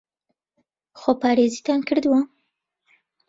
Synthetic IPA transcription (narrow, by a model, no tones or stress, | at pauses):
xopɑɾezit̪ɑnkəɽd̪wam